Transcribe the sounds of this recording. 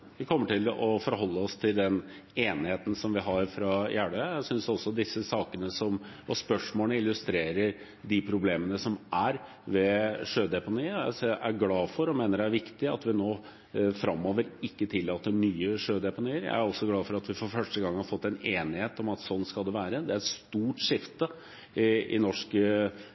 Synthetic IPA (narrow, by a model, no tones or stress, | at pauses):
ʋɪkʰɔmːəʈɪlɔfɔɾɦɔlːəɔst̪ʰɪld̪ɛn | eːnɪheːt̪n̩sɔmʋɪɦɑɾfɾɑjæːɖəjæsʏnsɔsɔd̪ɪsːəsɑːkənəsɔmɔspœʂmoːnəɪlːʉst̪ɾeːɾəɾ | ɖ̪ɪpʰɾʊbleːmənəsɔmæɾ | ʋɛʂøːd̪ɛpʊniːæsʔæɾɡlɑːfɔɾɔmeːnəɾææɾʋɪkt̪ɪɑ̰t̪ʋɪnoː | fɾɑmːoːʋəɾɪkːət̪ʰɪlːɑːt̪ːəɾmyːəʂøːd̪ɛpʊniːəɾjæ̰ɪæɾɔsːɔɡlɑːfɔɾɑt̪ʋɪfɔɾfœʂʈəɡɑŋːhɑɾfɔt̪ːɛneːnɪheːt̪ɔmɑt̪sɔnːskɑld̪ɛʋæːɾəd̪ɛæɾɛt̪st̪uːʈʂɪft̪ə | ɪɪ̰nɔʂkə